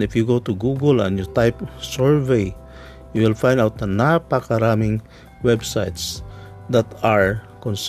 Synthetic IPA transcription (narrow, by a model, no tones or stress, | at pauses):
ɪfjuɡot̪uɡuɡəlɛ̰̃njɔt̪ajpsɛɹvej | juwɪlfãj̃nd̪awt̪̚d̪ɐnapakaɾamɪŋ | wɛbsajt̪s | d̪at̪aɹ | kɔ̃ns